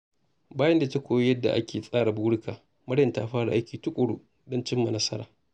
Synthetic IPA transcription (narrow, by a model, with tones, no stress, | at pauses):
baː˦jɐ˦nda˨ta˦kʷoː˨jjɐ˦dːa̰˨ʔa˦kʲeː˨sʼaː˦ɽa˨buː˦ɽʊ˦kʰaː˨ | mɐ˦ɽjɐ˨nta̰˦ɸaː˦ɽa̰˨ʔa˦jkʲiː˨tʊ˦kʷʼʊ˨ɽu˦ | dɔ˦nt͡ʃɪ˦mːa˨nɐ˦sɐ˦ɾaː˨